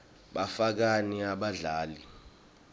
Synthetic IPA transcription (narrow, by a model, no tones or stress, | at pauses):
ɓafak̬aniaɓaɮaːli